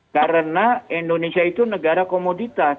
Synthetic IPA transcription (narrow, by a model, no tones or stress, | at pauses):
kaɾənaindonesiait̪unəɡaɾakomodit̪a